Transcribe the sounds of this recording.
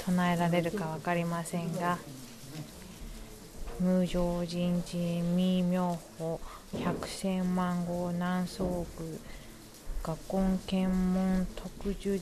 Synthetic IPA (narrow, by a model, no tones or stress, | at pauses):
tonaeɾaɾe̞ɾɯ̟kaβ̞akaɾʲimasẽ̞ŋɡa | mɯ̟ːʑo̞ːʑĩɲd͡ʑĩmʲimʲjo̞ːho | çakɯ̟̥sẽ̞mmãŋɡo̞ːnãɰ̃so̞ːɡɯ̟ | ɡ̥akːõ̞ŋkẽ̞mmõnt̪ʰo̞kɯ̟ʑɨ